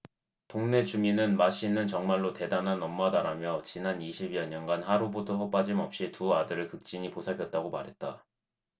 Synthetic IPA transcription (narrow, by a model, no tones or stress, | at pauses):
toŋne̞t͡ɕuminɯnmaɕ͈ʰinːɯnt͡ɕʌŋmaɭːote̞danɦanʌmːadaɾamjʌt͡ɕinaniɕʰibijʌɲʌnɡanhaɾubodosʌp͈ad͡ʑimʌp̚ɕ͈ituadɯɾɯɭkɯk̚t͡ɕ͈iɲiposʰapʰjʌt̚t͈aɡomaɾɦe̞t̚t͈a